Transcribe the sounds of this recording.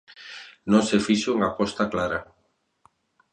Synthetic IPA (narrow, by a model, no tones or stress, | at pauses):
nõŋsefiʃoeŋapɔst̪aklaɾa